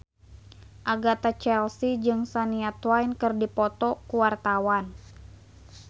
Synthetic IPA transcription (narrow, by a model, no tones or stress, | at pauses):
ʔaɡat̪at͡ʃɛlsid͡ʒɨŋsaniat̪wajnkɨrdipɔt̪ɔkuwart̪awan